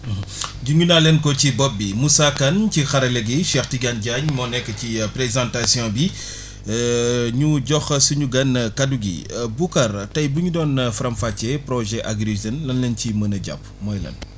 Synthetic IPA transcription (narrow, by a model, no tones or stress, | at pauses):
ɟuɲunaːlɛnkɔcibɔp̚ːimusakɐncixɐɾɐlɛɡiʃɛxtiɡɐnɟaɲmɔnɛkːəcipɾezɑ̃ntasjɔ̃bi | ɲuɟɔxsuɲuɡɐnkɐduɡḭbukɐrtɐjbuɲudɔːnfɾɐmfacɛpɾɔʒɛʔaɡɾizɐnlɐnlɐncimɐnɐɟɐ̰p̚ | mɔjlɐ̰n